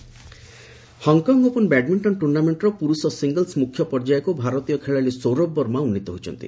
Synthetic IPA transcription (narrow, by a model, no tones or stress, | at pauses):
hɔŋkɔŋɡopunbɛɖmiɳʈɔnʈuɾnameɳʈɾɔpuɾusɔsiŋɡəlsmukʰːjɔpɔɾd͡ʒajɔkubʱaɾɔt̪ijɔkʰeɭalisoɾɔbːɔɾmaunːit̪ɔɦot͡ʃʰɔ̰nt̪ḭ